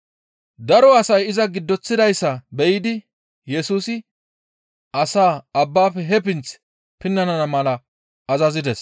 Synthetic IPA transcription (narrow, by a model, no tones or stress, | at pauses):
d̪ɐɾɔɐsɐjɪzɐɡɪd̪ːɔt͡sːɪd̪ɐjsːɐbɛjɪd̪ɪ | jɛsuːsɪ | ʔɐsaːɐbːaːfɛɦɛp̬ɪnt͡s | pɪnːɐnɐnɐmɐlɐ | ɐzɐzɪd̪ɛs